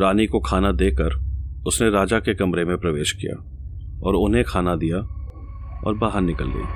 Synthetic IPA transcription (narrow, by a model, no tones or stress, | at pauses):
ɾaːnikokʰaːnad̪eːkəɾʊsneɾaːd͡ʒakekɐmɾemẽpɾɐʋeːʃkija̰ː | ɔ̰ːɾʊnɦẽkʰaːnad̪ija | ɔ̰ːɾbaːɦəɾnɪkəlɡə̰ḭː